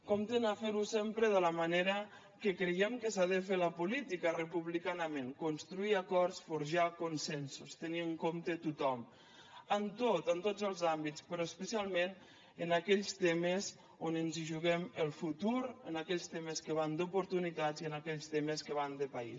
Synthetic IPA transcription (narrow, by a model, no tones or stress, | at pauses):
komt̪ənafeɾusempɾəðələmaneɾə | kəkɾəjɛmkəsaðəfeləpulit̪ikərəpuβlikanəmenkunst̪ɾuiakɔɾsfuɾʒakunsɛnsust̪əniəŋkomt̪ət̪ut̪ɔm | ənt̪ot̪ənt̪ozəlˠzambit͡spəɾɔəspəsialˠmen | ənakɛʎst̪eməz | onənziʒuɣɛməlˠfut̪uɾənakɛʎst̪eməskəβ̞and̪upuɾt̪unit̪aziənakɛʎst̪eməskəβand̪əpaḭ